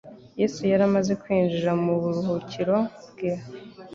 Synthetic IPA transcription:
je̞ːsujaɾamaze̞kwiːnd͡ʒiɾamuβuɾuhuciɾo̞bɡiːa

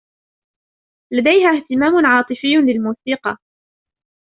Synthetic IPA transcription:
lad̪ajhaːht̪ɪmaːmʊnʕɑːt̪ˤɨfɪjːʊlɪlmuːsiːqɑ̰

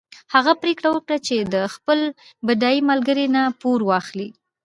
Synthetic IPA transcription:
haɣapɾekɽawəkɽat͡ʃed̪əxpəlbadɑimalɡəɾenapoɾwɑxli

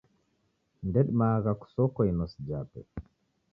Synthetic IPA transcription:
ndɛɗmaːɡaku̥sɔkːɔjnɔsd͡ʒaːpɛ̰

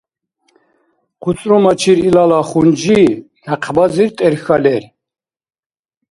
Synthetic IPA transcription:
qʰut͡sʼɾɔmat͡ʃʰiɾilalaχund͡ʒi | naqʰbaziɾt̪ʼɛɾxalɛɾ

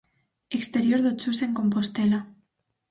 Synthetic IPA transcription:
ekst̪eɾjo̞ɾðot͡ʃuseŋko̞mpo̞st̪ela

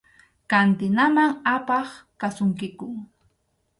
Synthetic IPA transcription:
kant̪ɪnamaŋapɑχkasʊŋkɪkʊŋ

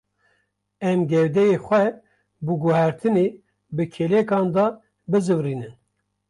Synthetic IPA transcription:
ɛmɡɛwd̪ɛjexʷɛ | buɡuhæɾt̪ʰɨne | bɨkʰelekɑːnd̪ɑ | bɨzɨvriːnɨn

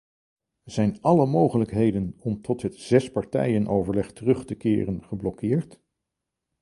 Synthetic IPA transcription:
z̥ɛjnɑləmowχələkɦejdənɔmtɔtɦətz̥ɛspɑɹtɛ̰jənʔowvəɹlɛχtərɵχtəkɪːrənχəblɔkɪːɹt

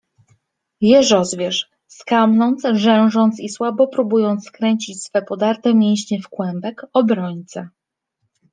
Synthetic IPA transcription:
jɛɾɔzvʲjɛʂ | skamnɔnt̪sʐɛw̃ʐɔnt̪siswabɔpɾubujɔnt̪skɾɛɲt͡ɕit͡ɕsfɛpɔd̪aɾt̪ɛmʲjeɲ̃ɕɲɛfkwɛmbɛkɔbɾɔɲt̪sɛ

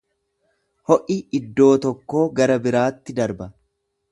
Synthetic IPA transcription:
hɔʔiɪd̪ːo̞ːt̪ɔkːo̞ːɡɐɾɐbɪɾaːt̪ːɪd̪ɐɾbɐ

